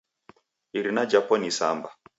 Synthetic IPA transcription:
iɾinad͡ʒapɔnisa̰mba

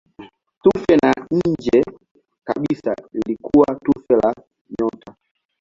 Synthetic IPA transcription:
tufɛnaɲ̩d͡ʒɛ | ka̰ɓisa̰ilikʰuwatufɛla | ɲɔtʰa

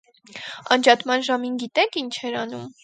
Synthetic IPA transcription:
ɑ̰nd͡ʒɑt̪mɑnʒɑminɡit̪ɛkʰint͡ʃʰɛɾɑnum

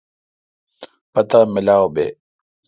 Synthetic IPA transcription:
pɐt̪amɪlaːobḛː

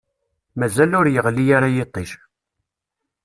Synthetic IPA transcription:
mæzælʊɾjəʁlːijaɾajet̪ˤːiʃ

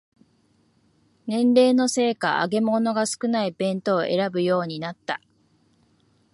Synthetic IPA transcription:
nẽ̞nɾe̞ːno̞se̞ːkaa̰ɡe̞mo̞no̞ɡasɨ̥kɯ̟naib̥ẽ̞nt̪o̞ːʔe̞ɾabɯ̟jo̞ːɲ̟inat̪ːa

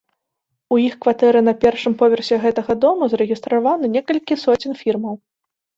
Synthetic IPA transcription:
ujixkvat̪ɛɾɨnɐpʲɛrʂɨmpɔvʲɛrsʲɛɣɛt̪ɐɣɐd̪ɔmuzɐɾɨɣʲist̪ɾavanɨnʲɛkɐlʲkʲisɔt͡sʲinfʲirmɐw

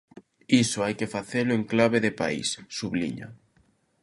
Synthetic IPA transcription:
isʊajkɪfaθelʊeŋklaβeðɪpa̰ḭsːuβlḭɲa̰

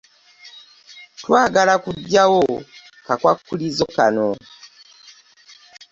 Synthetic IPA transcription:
twaːɡalakuɟːawo | kakwakːulizokano

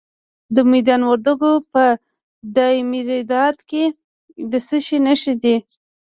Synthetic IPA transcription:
d̪əmijd̪ɑnwaɾd̪aɡopə | d̪ɑmiɾid̪ɑd̪ke | d̪əsəʃinəʃid̪i

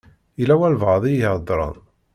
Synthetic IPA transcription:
ilæwælvaʕðˤijəhəd̪ˤɾˤə̰n

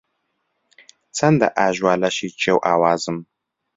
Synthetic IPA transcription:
t͡sʰɐndɐ̰ʔaːʒwaːlɐɕiːt͡ʃʰewʔaːwaːzɨm

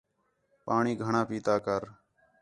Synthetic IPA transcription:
paːɳiːɡʱəɳãːpiːt̪aːkəɾ

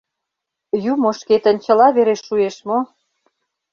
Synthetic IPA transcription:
jumoʃket̪ə̆nʲt͡ɕə̆lɑβeɾeʃːueʃmo

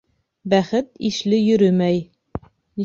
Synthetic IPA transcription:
bæχɘt̪iʃlɘjɵ̆ɾɵmæj̪

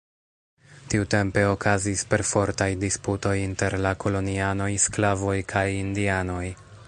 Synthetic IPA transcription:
tiute̞mpe̞o̞kʰazispe̞ɾfo̞ɾtajdisputo̞jinte̞ɾlako̞lo̞niano̞jsklavo̞jkʰajindiano̞j

